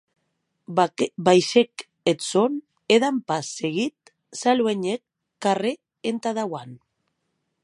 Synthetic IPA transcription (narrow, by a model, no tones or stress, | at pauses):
bajse̞k | et͡son | eðampaseɣit̪̚ | salweɲekː | are | ent̪aðawan